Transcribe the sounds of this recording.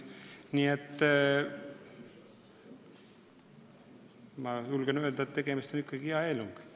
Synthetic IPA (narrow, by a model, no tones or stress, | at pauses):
niːet̪ː | mɑjulɡ̥enøøld̪ɑet̪ːeɡ̥emist̪onikːɑɡ̥iɑeːluŋɡ̥